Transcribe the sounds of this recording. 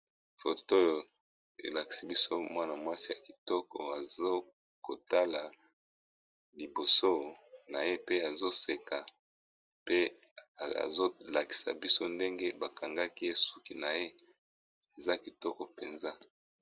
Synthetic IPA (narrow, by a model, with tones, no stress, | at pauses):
fo˨to˦jo˨ | ḛ˨la˨ki̥˨si˦bi˦so˦mwa˦na˨mwa˦si˦ja˨ki˨tɔ˦kɔ˨a˨zo˦ | ko˨ta˦la˨ | li˨bo˨so˦na˨je˦pe˦a˨zo˦se˨ka˨ | pe˦ | a˨a̰˨zo˦la˨ki̥˨sa̰˨bi˦so˦nde˦ŋɡe˦ba˨ka˨ŋɡa˦ki˦e˦su˦ki˨na˨je˦ | e˨za˦ki˨tɔ˦kɔ˨pe˨nza˦